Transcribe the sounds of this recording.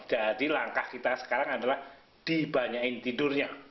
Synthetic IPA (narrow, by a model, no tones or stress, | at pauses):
d͡ʒadilaŋkahkit̪asə̥kaɾaŋadalah | d̥ibaɲaɪnt̪idʊrɲa